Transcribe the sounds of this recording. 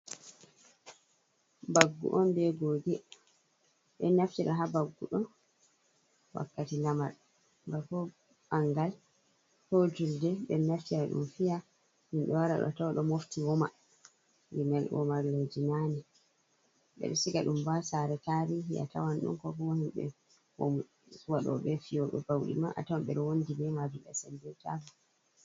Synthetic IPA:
baɡːṵʔɔnbɛɡoːɡɛ | ɓɛ̰naftiɾaɦabaɡːuɗɔ | wa̰kːatilamaɾ | bakɔ | ɓaŋɡal | hod͡ʒuldɛɓɛnaftiɾaɗṵmfija | himɓɛwaɾaɗɔ̰tawaɗɔmoftiwɔma | ɡɛnɛlʔɔmaɾled͡ʒinanɛ | ɓɛ̰ɗɛsikaɗumbasaɾɛtaɾiɦiʔa̰tʰawanɗṵnkɔkɔmahimɓɛ̰ | wɔ̰m | waɗɔɓɛfijɔɗɔ̰bawɗḭmaʔa̰tawamɓɛɗɔwondibɛmad͡ʒuɓɛ̰sɛndɛtaɡɔ

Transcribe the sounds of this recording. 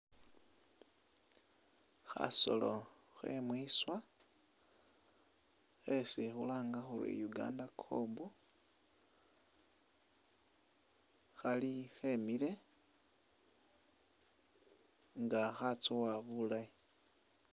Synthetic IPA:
xa̰so̞̰loxe̞̰mwiswa | xesixulaːŋɡaxuɾḭjuɡa̰ːndakʰo̰ːmbu | xalixemile̞ | ŋɡaxat͡sowaβulaji

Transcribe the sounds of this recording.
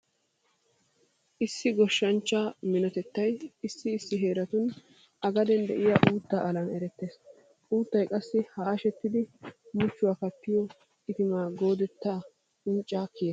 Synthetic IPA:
ʔɪsːɪɡɔʃːɐnt͡ʃːaːmɪnɔt̪ɛt̪ːɐjɪsːɪːsːɪɦe̞ːɾɐt̪ʊn | ʔɐɡɐd̪ɛnd̪ɛʔɪjaːʔuːt̪ːaːʔɐlɐnɛɾɛt̪ːeːs | uːt̪ːɐjkʼɐsːɪhaːʃɛt̪ːɪd̪ɪmʊt͡ʃːʊwaːkɐt̪ːɪjɔ | ɪt̪ɪmaːɡo̞ːd̪ɛt̪ːaː | ɪnt͡ʃʼːaːkɪjɐ

